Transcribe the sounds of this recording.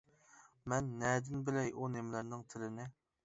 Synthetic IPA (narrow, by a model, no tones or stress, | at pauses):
mɛnːɛd̪ɪnbɪlɛjʔunemlɪɾnɪŋt̪ʰɪlɪnɪ